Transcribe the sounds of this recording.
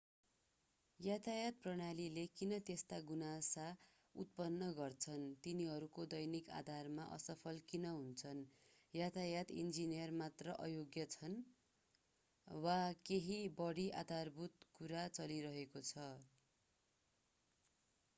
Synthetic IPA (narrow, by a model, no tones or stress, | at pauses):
jat̪ʰajat̪̚prʌɽ̃alilekinʌt̪est̪aɡunasa | ṵt̪̚pʌnːʌɡʌrt͡sʰʌnt̪iniɦʌɾukod̪ʌjnika̰d̪ʱarmaʔʌ̰sʌpʰʌlkinʌɦunt͡sʰʌnjat̪ʰajat̪ḭnd͡zinijʌrmat̪rʌʔʌ̰joɡjʌt͡sʰʌn | wakeɦibʌɽiʔa̰d̪ʱarbut̪kuɾat͡sʌliɾʌɦekot͡sʰʌ